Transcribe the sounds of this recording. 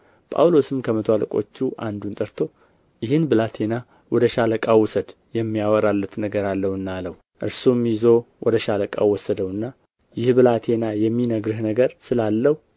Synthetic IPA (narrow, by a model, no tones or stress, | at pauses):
pʼa̰wlo̞sɨmkʰəmət̪ʰaləkʼo̞̰t͡ʃːuʔand̪unt̪ʼəɾt̪ʰo̞ | jɪhɨnbɨlat̪ʰe̞na | wɔd̪əʃaləkʼawʊsəd̪ | jɛmːijawəɾalːət̪nəɡəɾalːəwɨnːaləw | ʔɨɾsumːjɪzo̞wɔd̪əʃaləkʼa̰wɔsːəd̪əwɨnːa | jɪhbɨlat̪ʰe̞najɛmːinəɡɾɨhnəɡəɾsɨlalːəhu